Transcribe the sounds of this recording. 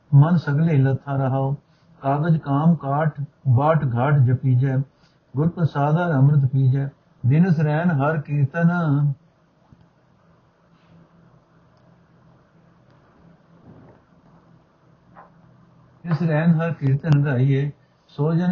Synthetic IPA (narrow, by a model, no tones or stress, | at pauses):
mənsəɡleːlət̪ʰːaːɾəɦaːoː | kaːɡəd͡ʒkaːmkaːʈ | baːʈɡʱaːʈʰd͡ʒəpiːd͡ʒɛː | ɡʊɾpɾəsaːd̪aːɾəmɾət̪̬piːd͡ʒɛː | d̪ɪnəs̬ɾɛːnɦəɾkɪɾt̪ən | sɾɛːnɦəɾkɪɾt̪enɡaːiːeː | soːd͡ʒən